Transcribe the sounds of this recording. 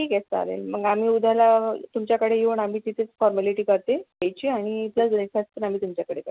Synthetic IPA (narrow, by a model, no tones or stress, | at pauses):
ʈiːkɛst̪əa̰lḛlməɡam̤iːud̪ʱalat̪umt͡ɕjakəɽejeuɳam̤iːt̪it̪ʰet͡sfɔɾmaliʈiːkəɾt̪ejajt͡ɕiːaɽ̃ipləsɾefasp̪ənam̤iːt̪umt͡ɕjakəɽeka